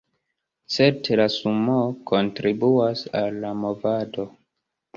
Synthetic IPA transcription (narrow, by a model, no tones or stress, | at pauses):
t͡se̞ɾtʰelasumokʰo̞ntɾibuasalːamovado̞